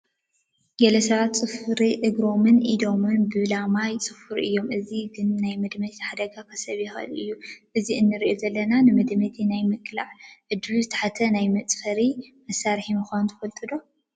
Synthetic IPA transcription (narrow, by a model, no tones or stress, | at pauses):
ɡɐlɐsɐβat̪t͡sʼɨfɾiʔɨɡɾo̞mɨnʔid̪o̞mɨnbɨlamajt͡sʼɨfɨɾʔɨjːo̞mʔɨziɡɨnːajmɐd̪mɐt̪ħad̪ɐɡakʰɐsɐβjɪxɨ̰lʔɨjːuʔɨziʔɨnːɨɾiʔozɐlːɐnanɨmɐd̪mɐt̪ʰinajmɨkʼːlaʕʕɨd̪ɨluzɨt̪ʰɐ̥ħat̪ʰɐnajmɐt͡sʼfɐɾimɐsːaɾħimɨxʷanunt̪ʰɐfɐlt̪ʼɨd̪o